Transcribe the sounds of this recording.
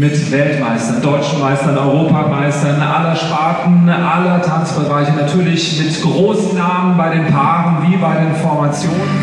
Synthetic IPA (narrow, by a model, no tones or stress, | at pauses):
mɪtvɛltmaɪstɐndɔʏt͡ʃn̩maɪstɐnɔʏʁoːpʰamaɪstɐnʔa̰lɐʃtaɐtn̩ʔalɐtʰant͡sb̥əʁaɪçənatʰyːɐlɪçɡɪptɡ̥ʁoːsnaːmənbaɪɾeːnpʰaːʁənviːbaɪdeːnfɔɐmat͡sjoːnən